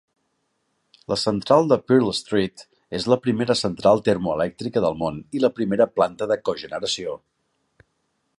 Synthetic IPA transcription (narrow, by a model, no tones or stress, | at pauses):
ləsənt̪ɾalˠd̪əpiɾlst̪ɾit̪ | ezləpɾimeɾəsənt̪ɾalˠt̪ermuəlɛk̚t̪ɾikəðəlˠmoniləpɾimeɾəplant̪əðəkoʒənəɾəsio